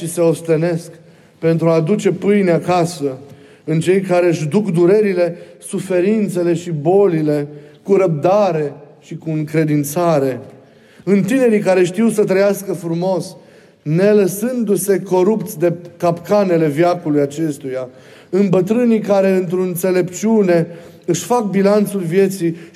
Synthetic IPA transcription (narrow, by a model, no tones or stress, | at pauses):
ʃise̞o̞st̪e̞ne̞sk | pe̞nt̪ɾuad̪ut͡ʃe̞pɨjneakasə | ɨnt͡ʃejkaɾe̞ɨʃd̪ukd̪uɾe̞ɾile̞sufe̞ɾint̪se̞le̞ʃibo̞lile̞kuɾəp̚d̪aɾe̞ʃikuɨŋkɾe̞d̪int̪saɾe̞ | ɨnt̪ine̞ɾikaɾe̞ʃt̪iwsət̪ɾəjaskəfɾumo̞s | ne̞ləsɨnd̪use̞ko̞ɾupt̪sʲd̪e̞kapkane̞le̞vjakulujat͡ʃe̞st̪uja | ɨnbət̪ɾɨnikaɾe̞ɨnt̪ɾoɨnt̪se̞le̞pt͡ʃiune̞ | ɨʃfak̚bilant̪sulvije̞t̪si